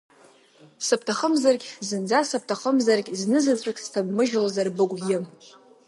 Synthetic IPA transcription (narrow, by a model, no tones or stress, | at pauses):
sɨp̚ʰtʰaχəmzarkʲzɨnd͡zasɨp̚ʰtʰaχəmzarkʲʼznɨzat͡sʷʼakʲʼstʰabmɨʒlazarbɨkʷʼɡʲɪm